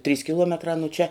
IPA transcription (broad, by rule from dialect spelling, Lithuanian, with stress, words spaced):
tʲrʲiːs kʲɪˈlˠuɔmʲɛtrɑː nʊ t͡ʃʲɛ